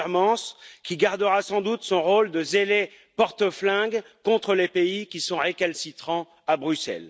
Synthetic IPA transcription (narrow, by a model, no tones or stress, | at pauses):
ʁmɑ̃skʲiɡaʁd̪əʁasɑ̃d̪ut̪sɔ̃ʁold̪əzele | pɔʁt̪əflɛ̃ɡ | kɔ̃t̪χəlepeikʲisɔ̃ʁekalsit̪χɑ̃ | abʁysɛ̰l